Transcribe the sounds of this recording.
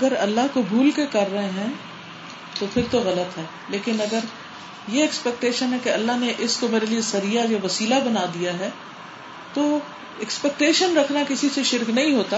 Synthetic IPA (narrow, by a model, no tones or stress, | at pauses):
ɐɡəɾɐlːaɦkobʱuːlkekɐɾːɐɦẽɦɛ̃ | t̪opʰɪɾt̪oɣɐlət̪ɦɛː | leːkɪnɐɡəɾ | jeɛkspɛk̚ʈeːʃənɦɛkeɐlːaɦneʔɪskomeːɾeliesɐɾijajoʋɐsiːlabɐnaːd̪ijaɦɛː | t̪o | ɛkspɛk̚ʈeːʃənɾɐkʰnakɪsiseʃɪɾknɐɦĩɦoːt̪aː